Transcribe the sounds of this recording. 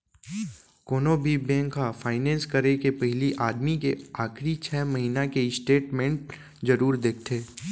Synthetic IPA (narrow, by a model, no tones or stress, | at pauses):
koːnobʱibɛ̃ːŋkafaːɪnɛ̃ːnskɐɾekepɐɦɪliʔaːd̪mikeaːxɾit͡ʃʰɛːməɦiːnakeɪsʈeːʈmẽɳʈ̚ | zɐɾuːɾd̪eːk̚ʰt̪ʰeː